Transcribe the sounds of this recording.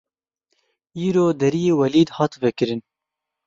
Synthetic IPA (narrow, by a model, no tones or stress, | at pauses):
iːɾoːd̪ɛɾijeːwɛliːd̪hɑːt̪vɛkɨɾɨn